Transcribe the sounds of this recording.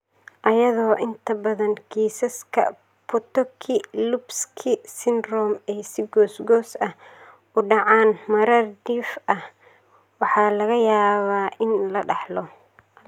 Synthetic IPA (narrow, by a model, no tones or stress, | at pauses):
ʔɐjɐðɔːʔɪnt̪ʰɐbɐðɐnkʰiːsɐskʰɐ̰ | pʰɔt̪ɔkʰɪlubskʰɪsɪnrɔːmɛːsɪɡɔːsɡɔːsɐh | ʊɖɑʕɑːnmɐɾɐrd̪iːfɐh | wɑħɑːlɐɣɐjaːβaːʔɪnlɐɖɑħlɔ